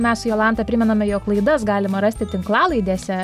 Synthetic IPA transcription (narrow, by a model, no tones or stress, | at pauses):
mʲɛssʊjoːlˠɑˑnt̪ɐpʲɾʲɪmʲɛnɐmʲɛjoːklˠɐɪd̪ɐsɡɑːlʲɪmɐɾɐsʲt̪ʲɪt̪ʲɪŋklˠɑːlˠɐɪd̪ʲeːsʲɛ